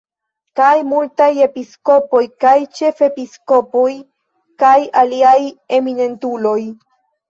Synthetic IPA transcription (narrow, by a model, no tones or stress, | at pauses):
kajmultaje̞pisko̞po̞jkajt͡ʃe̞fe̞pisko̞poj | kajaliaje̞mine̞ntuloj